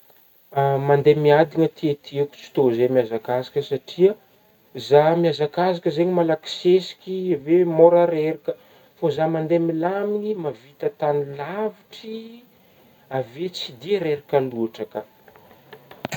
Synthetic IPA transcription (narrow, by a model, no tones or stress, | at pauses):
mand̪emiad̪iŋət̪ʰiet̪ʰiekʲu̥t͡si̥t̪ozemiazakazikʲəsaʈ͡ʂiə | zamiazakazakʲəzeɲimalaki̥sesi̥kʲivemoɾaɾeɾikə | fozamand̪emilaminimavit̪ət̪anilaviʈ͡ʂi | avet͡sid̪iɾeɾikaluaʈ͡ʂakə